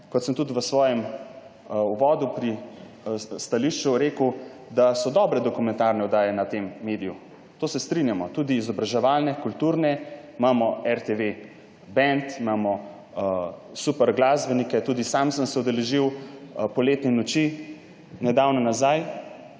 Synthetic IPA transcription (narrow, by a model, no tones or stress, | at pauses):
kɔt̪səmt̪ut̪ʋəsʋɔːjɛm | uʋɔːd̪upɾi | st̪aliʃt͡ʃuɾeːkəwd̪asɔd̪ɔbɾɛd̪ɔkumɛnt̪aɾnɛɔd̪aːjɛnat̪emːeːd̪iju | t̪oːsɛst̪ɾinjamɔt̪ud̪iːzɔbɾaʒɛʋaːlnɛkult̪uːɾnɛimaːmɔɛɾt̪eʋe | bɛnt̪imaːmɔ | supɛɾɡlaːzbɛnikɛt̪uːd̪isamsəmsɛud̪ɛlɛʒiwpɔleːt̪nɛnɔt͡ʃi | nɛd̪awnɔnazaj